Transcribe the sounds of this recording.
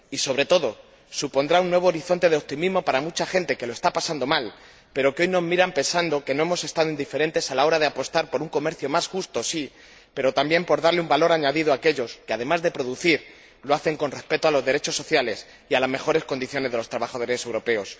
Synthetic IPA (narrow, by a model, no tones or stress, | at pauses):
iso̞β̞ɾe̞t̪o̞ðo̞ | supo̞nd̪ɾaunːwe̞β̞o̞ːɾiθo̞nt̪e̞ðeo̞p̚t̪imizmo̞paɾamut͡ʃaxe̞nt̪e̞ke̞loe̞st̪apasand̪o̞mal | pe̞ɾo̞keo̞jno̞zmiɾampe̞nsand̪o̞ke̞no̞e̞mo̞se̞st̪aðoind̪ife̞ɾe̞nt̪e̞salao̞ɾaðeapo̞st̪aɾpo̞ɾuŋko̞me̞ɾθjomasxust̪o̞si | pe̞ɾo̞t̪ambje̞mpo̞ɾðaɾleumbalo̞ɾaɲaðiðoake̞ʎoskeaðe̞mazðe̞pɾo̞ðuθiɾ | loaθe̞ŋko̞nrespe̞t̪oalo̞zðe̞ɾe̞t͡ʃo̞sːo̞θjale̞s | ialazme̞xo̞ɾe̞sko̞nd̪iθjo̞ne̞zðelo̞st̪ɾaβaxaðo̞ɾe̞se̞wɾo̞pe̞o̞s